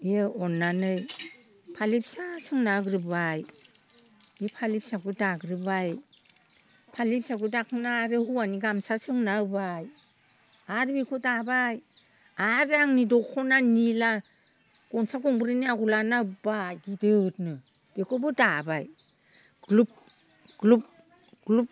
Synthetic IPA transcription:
eeɔnːanɯjpʰalip̚sasɯŋnaɡɾɯbaj | ipʰalip̚saɡɯdaɡɾɯbaj | pʰalip̚saɡudaknaɾɯhuaniɡamsasɯŋnabaj | aɾbikʰɔdabaj | aɾaŋnidɔkʰɔnanila | ɡ̥ɔnsakɔŋbɯɾɯniaɡulanabajɡidɯtnɯ | b̥ekʰɔbɯdabaj | ɡ̥lup̚ | ɡlup̚ | ɡlup̚

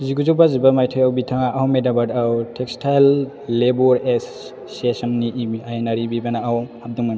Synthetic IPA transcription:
ziɡuzobazibamajtʰɔjawbitʰaŋaʔawmedabadawtʰek̚stʰajlː | ebɔɾesː | esɐnniʔiiajenaɾibibanaawhap̚duŋman

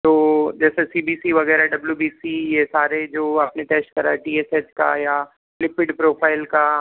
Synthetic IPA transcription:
t̪oːd͡ʒɛːsesiːbiːsiʋɐɣɛːɾaɖɐbljubiːsijesaːɾed͡ʒoːɐpnet̪ɛːsʈ̚kɐɾaɛʈiːeːseːska̰jaː | lɪpɪɖpɾoːpʰaːɪlka

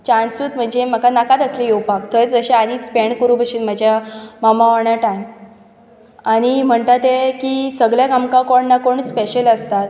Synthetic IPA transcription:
t͡ɕansuːt̪m̤əɳd͡ʑem̤əkanakat̪əslejowpak̚t̪ət͡sd͡zəɕeañispeɳkəɾũbəɕiːnm̤ad͡ʑʱjamamaʋaɳjaʈajm | aɽ̃im̤əɳt̪at̪ekisəɡɭjaɡamkãkoɳnakoɳspeɕələst̪at̪̚

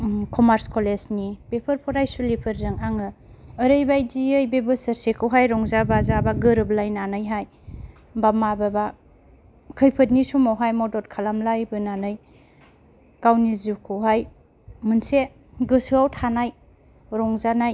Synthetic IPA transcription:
kʰɔmaɾskɔlesnipepʰɯɾpʰɔɾajsulipʰɯɾzɯŋaŋɯːɾɯjbajdiəjbebɯsəɾsekʰɯwɦajɾɔŋzabazabaɡɯɾɯblajnanɯjɦaj | bamababa | kʰɯjpʰɯt̬̚nisumawɦajmɔdɔt̚kʰalamlajbɯnanɯj | kawniziwkʰɯwɦaj | mɯnse | ɡɯsɯawtʰanaj | ɾɔŋzanaj

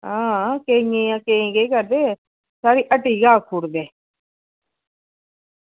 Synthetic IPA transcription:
ãːkeŋeãːkeĩːɡekəɾd̪eː | saːɾiːʔəʈiːɡaːkʰuːɾd̪eː

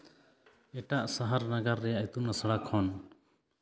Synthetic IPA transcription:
ɛʈaʔsaɦaɾnaɡaɾːɛjaʔɛt̪unasəɽakʰɔn

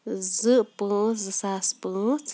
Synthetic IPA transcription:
zɨʔpɨ̃zɨsaspɨt͡s

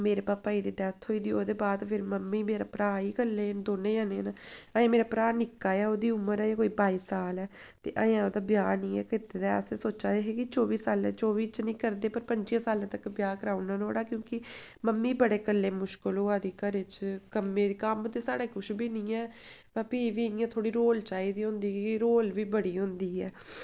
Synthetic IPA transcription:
meːɾeːpaːpːaːiːd̪iːɖɛt̪ʰɦoːiːd̪iːoːd̪eːbaːd̪pʰɪɾməmːiːmeːɾaːpɾaːiːkəlːeːd̪oːnẽːjãːnenaəjãːmeːɾaːpɾaːnɪkːaːjɛːoːd̪iːʊmːəɾɛːjãːkoːiːbaːiːsaːlɛː | tt̪ḛːʔəjãːoːd̪aːbjaːnĩːɛ̰ːkɪt̪eːd̪aɛ̰seːsoːt͡ʃaːeɦeːkɪt͡ʃoːʋiːsaːlɛ̃t͡ʃɔːʋiːt͡ʃnĩːkəɾd̪eːpəɾpəɲt͡ʃiãːsaːlãːt̪əkːbjaːkəɾaːunaːnoːɽaːkjõːkɪməmːiːbəɽeːkəlːeːmʊʃkəlɦoːaːd̪iːkəɾɪt͡ʃkəmːẽːd̪iːkəmt̪eːsaːɽeːkʊʃbiːnĩːɛːbaːpiːʋiːɪjãːt̪ʰoːɽiːɾoːlt͡ʃaːiːd̪iːɦʊ̃nd̪iːkːɾoːlʋiːbəɽiːɦʊ̃nd̪iːɦɛ̰ː

